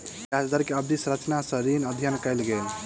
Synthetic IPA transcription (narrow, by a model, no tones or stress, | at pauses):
jad͡ʒd̪əɾkeəbd̪isɾət͡ʃnasə̃ɾinəd̪ʱjənkəɪlɡel